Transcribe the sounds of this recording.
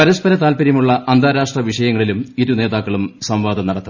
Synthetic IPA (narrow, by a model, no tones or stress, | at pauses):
pɐɾɐspɐɾɐt̪aːlpɐɾjɐmuɭːɐʔɐnd̪ʱaːɾaːʂʈrɐʋiʂɐjɐŋːɐɭilumiɾune̞ːðaːkːɐɭumsɐmʋaːd̪ɐmnɐɽɐt̪ːu